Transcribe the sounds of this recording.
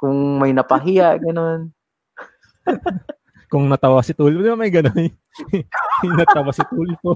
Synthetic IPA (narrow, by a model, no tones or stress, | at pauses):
kʊŋmɐjnɐpɐɦɪjaʔɡɐnon | kʊŋnɐt̪ɐwasɪt̪uːlɪpod̪ɪbamɐjɡɐnoj | nɐt̪ɐwasɪt̪uːlɪpo